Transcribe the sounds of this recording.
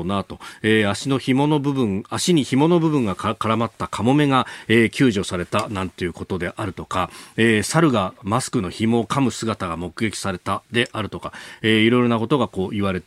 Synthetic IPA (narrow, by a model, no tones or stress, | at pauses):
nat̪o̞eːaɕino̞çimo̞nobɯ̟bɯ̟̃ŋaɕiɲ̟içimo̞no̞bɯ̟bɯ̟̃ŋɡakkaɾamat̪ːakʰamo̞me̞ɡaeːkʲɨːʑo̞saɾe̞t̪anãnt̪e̞jɯ̟ko̞t̪o̞d̪e̞ʔaɾɯ̟t̪o̞kaeːsaɾɯ̟ɡamasɨ̥kɯno̞çimo̞kamɯ̟sɨɡat̪aɡamo̞kɯ̟ɡe̞kʲi̥saɾe̞t̪ad̪e̞ʔaɾɯ̟t̪o̞kaeːiɾo̞jɾo̞nako̞t̪o̞ɡako̞ːʔiβ̞aɾe̞t̪